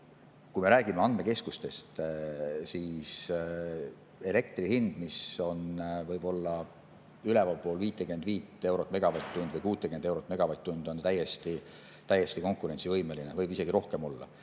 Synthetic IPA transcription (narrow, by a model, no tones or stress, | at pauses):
kujmeɾæːɡimeɑnd̥̪me̞ke̞skust̪e̞st̪ | siːs | e̞le̞k̚t̪ɾihind̪̥miso̞nvɤjb̥o̞lːɑ | ylɛvɑlpo̞ːlviːt̪ˑːekyend̪viːt̪ˑːe̞wɾo̞t̪ːˑme̞ɡ̥ɑvɑt̪ːund̪vɤjkuːt̪ːˑekyend̪e̞wɾot̪ːˑme̞ɡ̥ɑvɑt̪ːund̪̥o̞nt̪æjːest̪i | t̪æjːest̪iko̞ŋkːˑuɾe̞nʲsivɤjme̞linevɤjbise̞ɡ̥iɾo̞hke̞mo̞lːɑ̰